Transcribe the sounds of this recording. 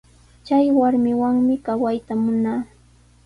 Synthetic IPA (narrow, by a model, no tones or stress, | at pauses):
t͡ʃajwaɾmɪwaŋmɪkawajt̪amʊnaː